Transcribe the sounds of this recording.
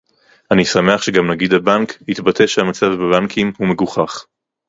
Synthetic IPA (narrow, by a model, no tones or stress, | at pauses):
ʔanisame̞aχʃeɡamnaɡid̪abankhit̪batʰe̞ʃehamat͡savbebankʰimhume̞ɡuχaχ